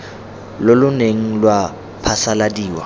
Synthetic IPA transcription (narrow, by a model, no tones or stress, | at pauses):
lʊlʊneŋ̩lwa | pʰasaladiːwa̰